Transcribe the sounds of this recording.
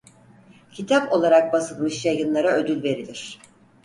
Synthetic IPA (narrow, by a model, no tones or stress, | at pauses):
cʰit̪ʰapo̞lˠaɾak̚basɯlˠmɯʃjajɯnlˠaɾaød̪ylʲve̞ɾilʲiɾ̥